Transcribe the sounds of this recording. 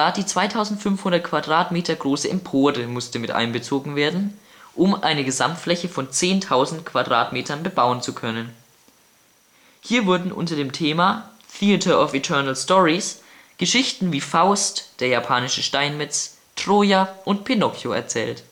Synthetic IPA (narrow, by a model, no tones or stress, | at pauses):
aːɐd̥iːt͡sv̥aɪtʰaʊzn̩tfʏnfhʊndɐt̚kʰv̥adʁaːtmeːtʰɐɡʁoːsəɛmpʰoːʁəmʊstəmɪtʔa̰ɪnbət͡soːɡŋ̩veːɐdn̩ | ʔʊmʔa̰ɪnəɡəzamtflɛçəfɔnt͡seːntʰaʊzn̩tkv̥adʁa̰ːtmeːtʰɐnbəbaʊənt͡sukʰœnən | hiːɐvʊɐdn̩ʔʊ̰ntɐdeːmtʰeːmaːθiʊtʰɐɔfitʰɜɐnl̩stɔʁis | ɡ̥əʃɪçtn̩viːfaʊstd̥eːɐjapʰaːnɪʃəʃtaɪnmɪt͡s | tʁ̥oːjaʔʊntpʰinɔkjoɛ̰ɐt͡sɛ̰ːlt